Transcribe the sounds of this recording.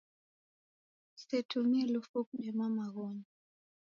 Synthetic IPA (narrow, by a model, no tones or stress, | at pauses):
sɛtʰumiɛlufuk̚ɗɛmamaɣɔɲa